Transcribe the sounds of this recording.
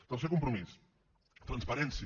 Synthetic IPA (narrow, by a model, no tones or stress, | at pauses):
t̪ãs̬ekõmpɾumisu̥ | t̪ɾɐ̃spɐɾẽns